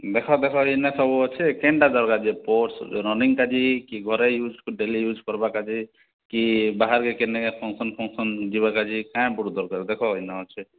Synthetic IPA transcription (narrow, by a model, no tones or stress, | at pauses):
d̪ekʰɔd̪ekʰɔɦinɛsɔbuɔt͡ʃʰɛkeɳɖad͡ʒɔɾkad͡ʒipoʈsɾɔniŋkad͡ʒikiɡʱɔɾejud͡ʒkɖelijud͡ʒʱkɔɾbakad͡ʒi | kibaɦaɾkekenekepʰɔŋsɔnpʰɔŋsɔnd͡ʒiβakad͡ʒikãj̃buɽud̪ɔɾkɔɾd̪ekʰɔɦinɔɦɔt͡ʃʰɛ